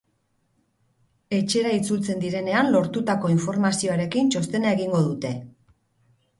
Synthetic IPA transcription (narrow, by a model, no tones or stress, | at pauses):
e̞t͡ʃe̞ɾait͡sult͡se̞nd̪iɾe̞ne̞anlo̞ɾt̪ut̪ako̞iɱfo̞ɾmasio̞aɾe̞kint͡ʃo̞st̪e̞naeɣiŋɡo̞ðut̪e̞